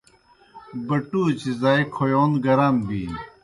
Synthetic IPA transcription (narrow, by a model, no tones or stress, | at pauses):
bɐʈuːt͡ɕizaːikʰojoːnɡɐɾaːmbḭː